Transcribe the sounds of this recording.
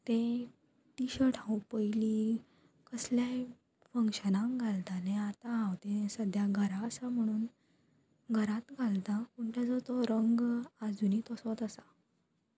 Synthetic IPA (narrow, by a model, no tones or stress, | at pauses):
t̪ẽ | ʈiɕəɾʈʰãwpəjli | kəslja | fəŋkɕənãŋɡʱalt̪anẽat̪ããwt̪ẽsəd̪ʱjaɡʱəɾaəsam̤əɽ̃uːn | ɡʱəɾãt̪ɡʱalt̪ãpuɳʈ̪ad͡zɔt̪ɔɾəŋɡad͡zunit̪ɔsʋat̪əsa